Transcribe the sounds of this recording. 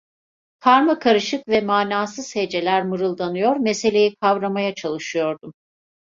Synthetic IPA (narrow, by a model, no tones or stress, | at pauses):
kʰaɾmakʰaɾɯʃɯkvɛmaːnaːsɯz̥he̞d͡ʒe̞lʲæɾmɯɾɯlˠd̪anɯjo̞ɾmese̞lʲe̞jikʰavɾamajat͡ʃʰalˠɯʃɯjo̞ɾd̪um